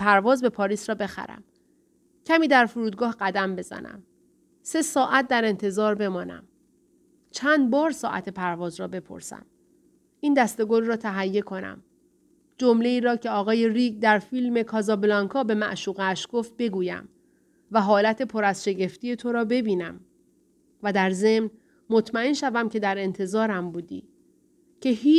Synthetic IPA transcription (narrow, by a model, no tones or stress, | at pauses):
pʰæɾvɒːzbe̞pʰɒːɾiːsɾɒːbe̞xæ̰ɾæ̰m | cʰæmiːd̪æɾfoɾuːd̪̚ɡɒːhɢæd̪æmbe̞zæ̰næ̰m | se̞sɒːʔæt̪̚d̪æɾe̞nt̪ʰe̞zɒːɾbe̞mɒːnæ̰m | t͡ʃʰænd̪̚bɒːɾsɒ̰ːʔæ̰t̪ʰe̞pʰæɾvɒːzrɒːbe̞pʰo̞̰ɾsæ̰m | ʔiːnd̪æst̪e̞ɡo̞lrɒːt̪ʰæɦæjːe̞kʰo̞næ̰m | d͡ʒomle̞iːɾɒːcʰe̞ɒːɣɒːje̞ɾiɡd̪æɾfiːlme̞kʰɒːzɒːblɒŋkʰɒːbe̞mæ̰ʔʃuːɣeʃɡ̥o̞ft̪̚be̞ɡuːjæ̰m | væɦɒːlæt̪ʰe̞pʰo̞ɾæzʃe̞ɟe̞ft̪ije̞t̪ʰo̞ɾɒːbe̞biːnæm | væd̪æɾze̞mn | mot̪ʰmæenʃævæmcʰe̞d̪æɾe̞nt̪ʰe̞zɒːɾæmbuːd̪ḭː | cʰe̞hiː